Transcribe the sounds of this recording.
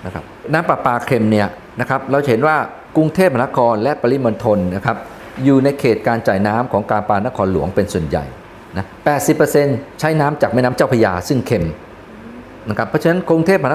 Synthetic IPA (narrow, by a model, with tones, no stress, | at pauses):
na˦˥kʰa˦˥p̚naː˦˥mpa˨˩paː˧kʰe˧mni˥˩ɐ | na˦˥kʰa˦˥p̚ɾa˧wt͡ɕa˩ɦe˩˦nwaː˥˩ | ku˧ŋt̪ʰeː˥˩p̚a˧na˦˥kʰɔː˧nlɛ˦˥ʔpa˧li˦˥mo˧nt̪ʰo˧nːa˦˥kʰa˦˥p̚ | juː˨˩na˧jkʰeː˨˩t̪̚kaː˧nt͡ɕaː˨˩jnaː˦˥mkʰɔː˩˦ŋkaː˧npaː˧na˦˥kʰɔː˧nlṵ˩˦əŋpe˧nsu˨˩ənja̰˨˩j | na˦˥pɛː˨˩t̪̚si˨˩pːɤ˧se˧nt͡ɕʰa˦˥jnaː˦˥mt͡ɕaː˨˩k̚ma˥˩na˦˥mt͡ɕaː˥˩wpʰa˧jaː˧sɯ˥˩ŋkʰe˧m | na˦˥kʰa˦˥pʰːɔ˦˥t͡ɕʰa˧na˦˥nku˧ŋt̪ʰeː˥˩p̚ha˧n˦˥